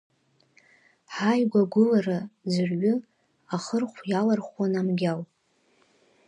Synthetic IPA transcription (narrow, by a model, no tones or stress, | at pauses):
ħajɡʷaɡʷʊlarazɨrɥʏ | aχərχʷjalarχʷwanamɡʲalʼ